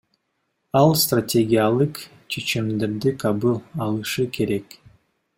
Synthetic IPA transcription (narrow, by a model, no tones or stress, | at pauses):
ɑlˠst̪ratʲe̞ɡʲijalˠɯq | t͡ʃʰet͡ʃimd̪e̞ɾd̪ikʰabɯlˠɑlˠɯʃɯkʰe̞ɾe̞k